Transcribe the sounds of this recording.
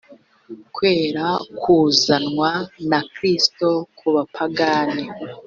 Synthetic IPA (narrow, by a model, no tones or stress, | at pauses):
kwe̞ːɾakʰuːzanŋwanakɾisto̞kʰuβapʰaɡaːni